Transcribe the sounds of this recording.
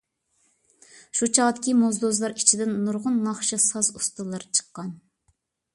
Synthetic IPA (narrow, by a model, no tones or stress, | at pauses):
ʃut͡ʃʰɑʁd̪ɪkʲʰimozd̪ozlˠɑɾit͡ʃʰid̪ɪnːuɾʁʊnːɑχʃɑsɑzust̪ɨlˠɑɾt͡ʃʰə̥qːɑn